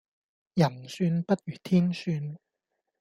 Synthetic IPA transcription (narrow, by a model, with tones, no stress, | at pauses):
jɐ˨˩nsyː˧npɐ˥t̚ɥyː˨˩t̪ʰiː˥nsyː˧n